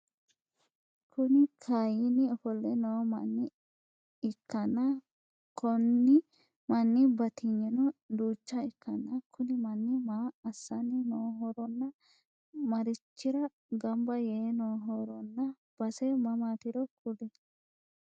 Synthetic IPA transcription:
kʰʊnɪkʰajɪnɪɔfɔlːɛnoːmɐ̰nːɪ | ɪkːɐnːɐ | kɔnːɪ | mɐnːɪbɐt̪ɪɲːɛnɔd̪uːt͡ʃːɐɪkːɐnːɐkʰʊnɪmɐnːɪmaːɐsːɐnɪnoːɦɔɾɔnːɐ | mɐɾɪt͡ʃːɪɾɐ | ɡɐmbɐjɛnoːɦɔɾɔnːɐ | b̥ɐsɛmɐmaːt̪ɪɾɔkʊd̪ɛ

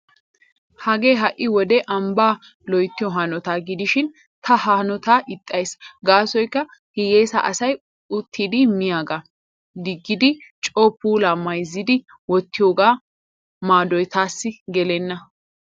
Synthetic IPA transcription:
hɐɡeːɦɐʔːɪwɔd̪ɛʔɐmbaː | lɔjt̪ːɪjɔɦɐnɔt̪aːɡɪd̪ɪʃɪn | t̪ʰɐhaːnɔt̪aːʔɪt̪ʼːɐjsɡaːsɔjkːɐ | hɪjeːsɐ̰ʔɐsɐj | ʊt̪ʰːiːd̪ɪmɪjaːɡa | d̪ɪɡːɪd̪ɪt͡ʃʼɔːpːuːlaːmɐjzːɪd̪ɪ | wɔt̪ːɪjoːɡaː | maːd̪ɔjt̪aːsːɪɡɛlɛnːɐ

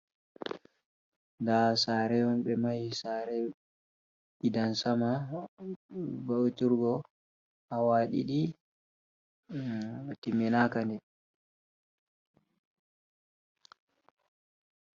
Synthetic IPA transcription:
ndasaːɾɛɔnɓɛmajsaːɾɛ | ʔidansama | bawtiɾɡɔ | awaːɗḭɗi | timːɛnakandɛ

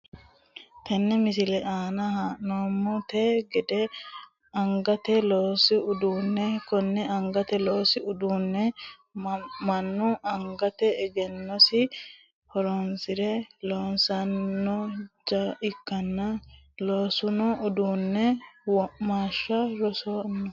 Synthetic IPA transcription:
t̪ɐnːɛmɪsɪlɛʔaːnɐhaːʔnomːɔt̪eːɡɛd̪ɛ | ɐŋɡɐt̪ɛloːsɪʊd̪uːnːɛkɔnːɛɐŋɡɐt̪ɛlo̞ːsɪʊd̪uːnːɛ | mɐnːʊɐŋɡɐt̪ɛɛɡɛnːɔsɪ | hɔɾonsɪɾɛloːnsɐnːɔd͡ʒɐɪkːɐnːɐ | loːsʊnɔʔʊd̪uːnːɛwɔmaːʃːɐɾɔsoːnːɔ

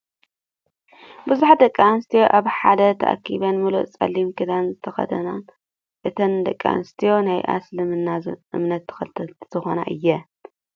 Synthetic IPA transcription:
bɨzuħad̪ɐkʼːanɨst̪ʰijoʔaβħad̪ɐt̪ʰɐ̰ʔa̰kʰːiβɐnmɨluʔt͡sʼɐ̰lːimkʰɨd̪anzɨt̪ʰɐxɐ̰d̪ɐna | ʔɨt̪ʰɐnd̪ɐkʼːa̰nɨst̪ʰijo̞najʔa̰slɨmɨnːaʔɨ̰mnɐt̪ʰːɨ̥xɐlt̪ʰɐt̪z̥ɨxo̞na̰ʔɨ̰jːɛ

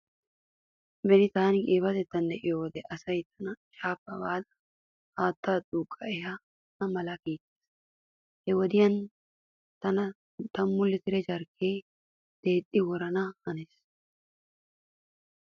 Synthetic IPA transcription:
bɛnɪt̪aːnɪkʼeːbɐt̪ɛt̪ːɐnd̪ɛʔɪjɔwɔd̪ɛʔɐsɐjt̪ʰɐnɐt͡ʃʼaːpːɐbaːd̪ɐ̥ | haːt̪ːaːt̪ʼuːkʼːɐɛja | nɐmɐlɐkiːt̪ʼːe̥s | hɛwɔd̪ɪjɐn | t̪ɐnɐ | t̪ɐmːʊlːɪt̪ɪɾɛd͡ʒɐɾkʰːeː | d̪̥eːt̪ʼːɪwɔɾɐnɐhɐnes

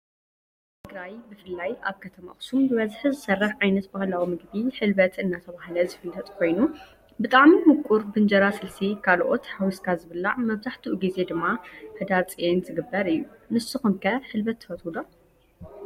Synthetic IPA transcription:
t̪ʰɨɡɾajbɨfɨlːaja̰βkʰɐt̪ʰɐma̰xsumbɨβɐzħɨzɨsɐrːɐħʕajnɐt̪bahlawimɨɡbiħɨlbɐt̪ʰɨnːat̪ʰɐβahlɐzɨfɨlːɐt̪ʼkʰo̞jnu | bɨt̪ʼaʕmimʊkʼuɾbɨnd͡ʒɐɾasɨlsikʰalʔo̞̰t̪hawiskʰazɨβɨlːaʕmɐβzaħt̪ʰiʔuɡize̞d̪ɨmːaħɨd̪aɾt͡sʼijenzɨɡɨbːɐɾɨjːunɨsɨxumkʰɐħɨlbɐt̪ːɨ̥fɐt̪ʰulo

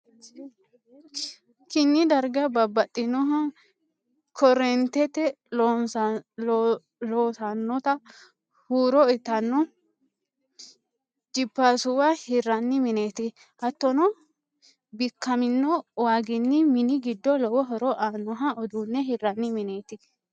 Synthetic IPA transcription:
kɪnːɪd̪ɐɾɡɐbɐbːɐt̪ʼːɪnɔɦɐ | kʰɔɾɛnt̪ɛt̪ːɛ | loːsanːɔt̪ɐ | huːɾɔɛt̪ːɐnːɔ | d͡ʒɪbːaːsʊwahɪrɐnːɪmɪneːt̪ɪ | ɐt̪ːɔnɔ | bɪkːɐmɪnːɔwaːɡɪnːɪmɪnɪɡɪd̪ːɔlɔwɔɦɔɾɔʔaːnːɔɦɐɔd̪uːnːɛɦɪrːɐnːɪmɪneːt̪ɪ

